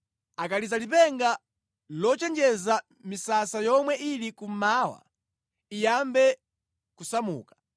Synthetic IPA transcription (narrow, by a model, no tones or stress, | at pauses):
akalizalip̬ɛŋɡa | lɔt͡ʃɛnd͡ʒɛza | misasajɔmwɛʔilikum̩maːwa̰ | ijambɛ | kusamṵːkḁ